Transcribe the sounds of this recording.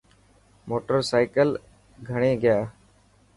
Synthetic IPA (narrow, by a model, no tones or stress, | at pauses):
moːʈəɾsaːɪkəl | ɡʱəɳ̃eːɡəjaː